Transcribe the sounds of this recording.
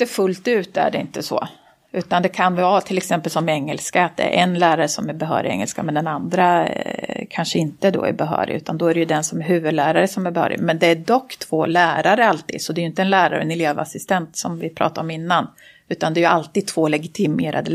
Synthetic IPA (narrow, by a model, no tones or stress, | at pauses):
efɵlt̪ʉ̟ːt̪æ̰ɖɛɪnt̪əsɔ̰ | ʉ̟ːt̪and̪ɛkʰanvvaːt̪ʰɪlɛksɛmpəlsɔmɛŋːəlskaat̪̚d̪ɛ̰ɾʔɛnlæːɾaɾəsɔmæɾbɛɦœ̰ːɾɪɛ̰ŋːə̰lskamɛnd̪ɛnand̪ɾa | kʰanʂəɪnt̪əd̪ɔ̰æ̰ɾbɛɦœ̰ːɾɪ̰ʉ̟ːt̪and̪ɔæɾɛjɵd̪ɛnsɔmæɾɦʉ̟ːvɵd̪læːɾaɾəsɔmæɾbɛhœ̰ːɾɪ̰mɛnd̪ɛæɖɔkːt̪ʰv̥oːlæːɾaɾəalt̪ḭːd̪sɔd̪ɛːjʏɪnt̪əɛnlæːɾa̰ɾə̰ɛ̰nɪleːva̰sɪst̪ɛnt̪sɔmvɪpʰɾɑ̰ːt̪aɾɔmɪnːan | ʉ̟ːt̪and̪ɛæɾjɵalt̪iːd̪̚t̪ʰvoːlɛɡɪt̪ʰɪmeːɾa̰d̪ə